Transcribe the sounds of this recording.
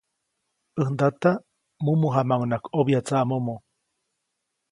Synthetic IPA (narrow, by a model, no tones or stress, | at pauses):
ɨhnd̪at̪a | mumuɦamawnakoβjat͡saʔamomo